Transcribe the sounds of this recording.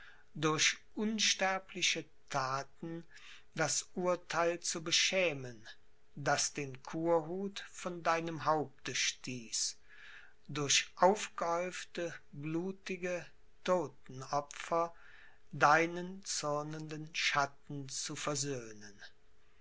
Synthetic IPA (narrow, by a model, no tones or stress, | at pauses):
dʊɐɕʔʊnʃtɛɐpʰlɪʃə | tʰaːtn̩ | dasʔuɐtʰaɪlt͡subəʃɛːmən | dasd̥eːnkʰuːɐɦuːtfɔndaɪnəmɦaʊp̚təʃtiːs | dʊɐɕʔaʊfɡ̥əɔʏftəbluːtɪɡə | toːtn̩ɔfɐ | daɪnənt͡sʊʁnəndənʃatn̩t͡sufɛɐzøːnən